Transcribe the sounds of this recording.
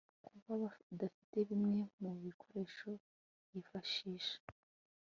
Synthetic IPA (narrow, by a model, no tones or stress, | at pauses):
kʰuβaβadafi̥te̞βimŋe̞muβikʰo̞ɾe̞ʃo̞ | jifaʃiːʃe̥